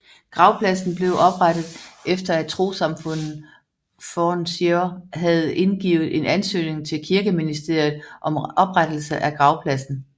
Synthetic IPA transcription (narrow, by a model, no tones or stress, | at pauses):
ɡ̥ʁɑ̈ʊpʰlæsn̩b̥le̝ʊʔɒ̽b̥ʁad̥ð̩ˠʔefd̥ɐæ̥t͡sʰʁo̝̰ːsɑ̈mfɔ̽n̰ð̩ˠ | fɒnsiɐɦæð̩ˠe̝nɡ̥ḭːʊð̞̩ˠe̝nʔænsø̰ːne̝ŋt͡sʰe̝lkʰiɐɡ̥əminisd̥e̝ɐ̰jð̩ˠʔɒ̽mɒ̽b̥ʁad̥l̩səʔæɡ̥ʁɑ̈ʊpʰlæsn̩